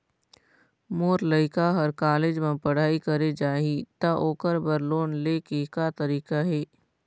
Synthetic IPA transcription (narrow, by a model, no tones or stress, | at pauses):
moːɾləɪkaɦɐɾkaːleːd͡ʒmãpɐɽ̤aːikəɾed͡ʒaːɦit̪ɐʔoːkəɾbəɾloːnleːkekat̪ɐɾiːkaɦeː